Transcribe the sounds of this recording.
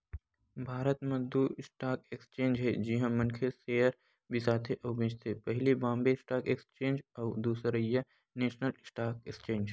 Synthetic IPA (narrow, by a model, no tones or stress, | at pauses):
bʱaːɾət̪mẽd̪usʈaːkekst͡ʃẽːnd͡ʒɦɛd͡ʒɪɦãmɐ̃nkʰeseːəɾ | bʱisaːt̪ʰeʔɐʊbẽːt͡ʃt̪ʰepɐɦlibãːmbesʈaːkekst͡ʃẽːnd͡ʒɐʊd̪uːsɾəija | neːʃnəlsʈaːkekst͡ʃẽːɲd͡ʒ